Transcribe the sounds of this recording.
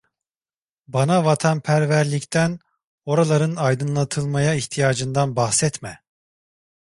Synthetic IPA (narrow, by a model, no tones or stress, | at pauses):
banavat̪ʰanpʰæɾvæɾlʲict̪ʰæn | o̞ɾalˠaɾɯnajd̪ɯnlˠat̪ʰɯlˠmajaiçt̪ʰijaːd͡ʒɯnd̪anbaxsɛt̪mɛ